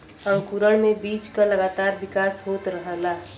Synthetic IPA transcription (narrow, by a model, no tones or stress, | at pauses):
ə̃ŋkuɾəɽmebiːt͡ʃkaləɡaːt̪aːɾbɪkaːsɦot̪ɾəɦəla